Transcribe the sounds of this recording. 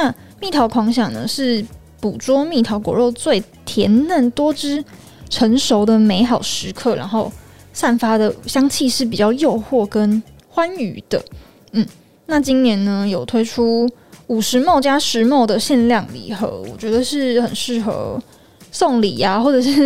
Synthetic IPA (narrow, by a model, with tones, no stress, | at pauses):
na˥˧ | mi˥˩t̪ʰɑ˧˥ʊkʰwɑ˧˥ŋɕɑ˨˩ŋnə̰˩ʂɻ̩˥˩ | pu˨˩ʈ͡ʂwɔ˥mi˥˩t̪ʰɑ˧˥ʊkwɔ̰˨˩ɻo˥˧ʊt͡swe˥˩ɪt̪ʰjɛ˧˥nnə˥˩nt̪wɔ˥ʈ͡ʂɻ̩˥ | ʈ͡ʂʰə˧˥ŋʂo˧˥ʊd̪ə˨me˧˥ɪxɑ˨˩ʊʂɻ̩˧˥kʰɤ˥˩ɻa̰˧˥nxo˥˧ʊ | sa˥˩nfa˥d̪ə˨ɕjɑ˥ŋt͡ɕʰi˥˧ʂɻ̩˥˩p̬i˨˩t͡ɕjɑ˥˧ʊjo˥˧ʊxwɔ˥˩kə˦n | xwa˦ny˧˥d̪̥ə̰˨ | n̩˥˩ | na˥˩t͡ɕi˦˥nnjɛ˧˥nnə˧jo˨˩ʊt̪ʰwe˥ɪʈ͡ʂʰu˥u˨˩ʂɻ̩˧˦˥mo˥˩ʊt͡ɕja˥ʂɻ̩˧˥mo˥˩ʊd̪ə˨ɕjɛ˥˧nljɑ˥˩ŋlḭ˨˩xɤ̰˧˥wɔ̰˨˩t͡ɕɥɛ˧˥d̪ə˧ʂɻ̩˥˩xə˨˩nʂɻ̩˥˩xɤ̰˧˥ | so˥˩ŋli˨˩a˦xwɔ˥˩ʈ͡ʂɤ˨˩ʂɻ̩˥˩